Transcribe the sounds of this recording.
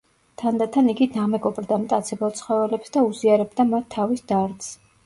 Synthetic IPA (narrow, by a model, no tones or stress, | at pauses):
t̪ʰand̪at̪ʰaniɡid̪amɛɡɔbɾd̪amt̪ʼat̪sʰɛbat̪sʰχɔvɛlɛpsd̪auziaɾɛb̚d̪amat̪ʰːavisd̪̥aɾd̪s